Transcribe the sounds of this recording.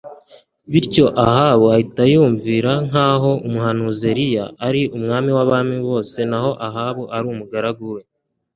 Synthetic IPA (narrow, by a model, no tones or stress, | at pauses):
βiɾco̞ʔahaːβuahitajuːɱviɾaŋ̥aːɦo̞umuɦanuze̞ɾijaːɾiʔumŋaːmiwaβaːmiβo̞ːse̞naho̞ʔaɦaːβuʔaɾuːmuɡaɾaɡuwe̞